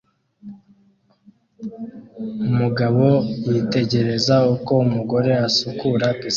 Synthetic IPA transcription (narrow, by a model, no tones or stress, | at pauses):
umuɡaβo̞jite̞ɟe̞ɾe̞zauko̞umuɡo̞ɾe̞asukuɾakis